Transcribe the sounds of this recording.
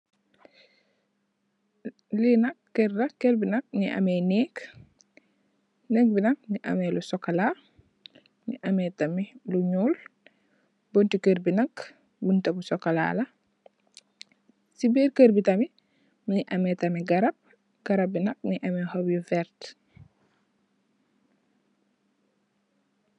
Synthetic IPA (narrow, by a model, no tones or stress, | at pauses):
linɐkːeɾdɐkːeɾbinɐk̚niʔɐ̰mɛjnɛːk | nɛk̚binɐk̚niʔɐ̰mɛlusɔkːɐla | nḭʔɐmɛtɐmiluɲuːl | bontikeɾbinɐk | buntɐbusɔkːɐla̰ːlɐ | sibiːɾkəɾbitɐmi | mniʔɐmɛtɐmiɡɐɾɐb̚ | ɡ̥ɐɾɐb̚binɐk̚niʔɐmɛhobjuvɛɾt